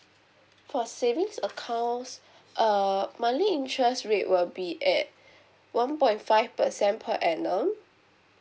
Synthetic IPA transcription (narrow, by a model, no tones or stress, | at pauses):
fɔsevĩŋsəkʰãʊns | ʔəmaliĩntʰɹɛsɹeʔwilbiʔɛt̚ | wãnpɔ̃ɪntfaɪfpəsɛ̃npʰəʔɛnə̃m